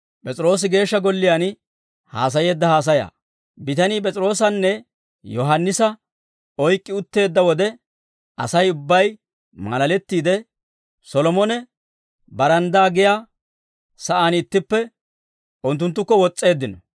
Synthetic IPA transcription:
pʼɛt͡sʼɪɾo̞ːs̬ɪɡe̞ːʃːɐɡɔlːɪjan | ha̰ːs̬ɐje̞ːd̪ːɐhaːs̬ɐja̰ː | bɪt̪ɐniːpʼɛt͡sʼɪɾo̞ːs̬ɐnːɛ | jɔɦɐnːɪsɐ | ɔjkʼːɪʊt̪ːe̞ːd̪ːɐwɔd̪ɛ | ɐ̰sɐjʊbːɐj | mɐ̰lɐlɛt̪ːiːd̪ɛ | sɔlɔmɔnɛ | bɐɾɐnd̪aːɡɪjaː | sɐʔaːnɪt̪ːɪpːɛ | ʊnt̪̬ːʊnt̪̬ːʊkːɔwɔt͡sʼːe̞ːd̪ːɪnɔ

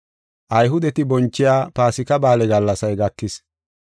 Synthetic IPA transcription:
ʔɐjɦʊd̪ɛt̪ɪbɔnt͡ʃːɪjaːpaːsɪkɐbaːlɛɡɐlːɐsɐjɡɐkːɪs

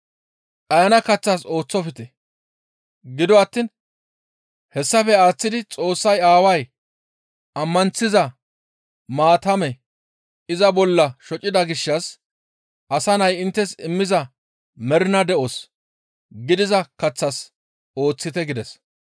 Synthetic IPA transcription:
ʔɐjɐnɐkɐt͡sːɐso̞ːt͡sːɔfɪt̪ɛ | ɡɪd̪ɔɐt̪ːin | hɛsːɐfɛaːt͡sːɪd̪ɪt͡sʼo̞ːsːɐjaːwɐj | ɐmːɐnt͡sːɪzɐ | maːt̪ɐmɛ | ɪzɐbɔlːɐʃɔt͡ʃʼːɪd̪ɐɡɪʃːɐs | ʔɐsɐnɐjɪnt̪ːɛsɪmːɪzɐ | mɛɾɪnɐd̪ɛʔos | ɡɪd̪ɪzɐkɐt͡sːɐs | o̞ːt͡sːɪt̪ɛɡɪd̪ɛs

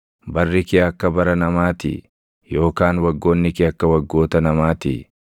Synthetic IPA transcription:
bɐrːɪkɪɐkːɐbɐɾɐnɐmaːt̪ɪ̰ | jo̞ːkaːnwɐɡːo̞ːnːɪkɪɐkːɐwɐɡːo̞ːt̪ɐnɐmaːt̪ɪ̰

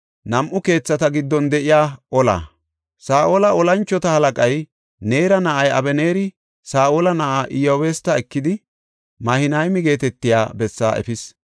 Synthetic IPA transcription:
nɐmʔʊke̞ːt͡sːɐt̪ɐɡɪd̪ːɔnd̪ɛʔɪjaːʔɔla̰ː | saːʔoːlɐɔlɐnt͡ʃːɔt̪ɐhɐlɐkʼɐj | neːɾɐnɐʔɐjʔɐ̰bɛne̞ːɾɪ | saːʔoːlɐnɐʔaʔɪjoːweːst̪ːɐɛkːɪd̪ɪ | mɐhɪnɐjmɪɡe̞ːt̪ɛt̪ːɪjaːbɛsːa̰ːʔɛ̰fɪs

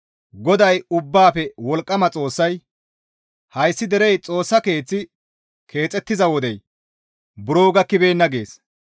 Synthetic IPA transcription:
ɡɔd̪ɐjʊbːaːpɛwɔlkʼːɐmɐt͡sʼo̞ːsːɐj | hɐjsːɪd̪ɛɾɛjt͡sʼo̞ːsːɐke̞ːt͡sːɪ | kʰe̞ːt͡sʼːɛt̪ːɪzɐwɔd̪ɛj | bʊɾo̞ːɡɐkɪbeːnːɐɡe̞ːs

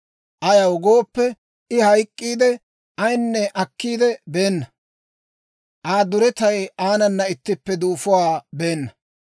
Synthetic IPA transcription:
ʔɐjɐwɡoːpːɛ | ɪhɐjkʼːiːd̪ɛ | ɐjnːɛʔɐkːiːd̪ɛbe̞ːnːɐ | ʔaːd̪ʊɾɛt̪ɐjaːnɐnːɐɪt̪ːɪpːɛd̪uːfʊwaːbe̞ːnːɐ

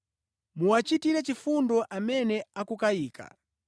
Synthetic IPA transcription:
muwat͡ʃitiɾɛt͡ʃifundɔʔamɛnɛakukaiːkʰa̰

